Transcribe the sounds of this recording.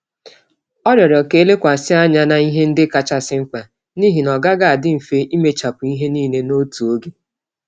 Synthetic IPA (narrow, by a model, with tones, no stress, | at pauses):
ɔ˦ɾjɔ˨ɾɔ˨ke˦le˦kʷa˨sɪ˦a˦ɲa˦na˨i˦ɦe˦n̩˦dɪ˦ka˨t͡ʃa˦sɪ˦ŋ͡m̩˦k͡pa˨ | niː˦ɦi˨nɔ˨ɡa˦ɡa˨a˨dɪ˦m̩˨fe˦i˦me˨t͡ʃa˨pʊ˨i˦ɦe˦niː˦˨ne˦no˦tu˨o˦ɡe˦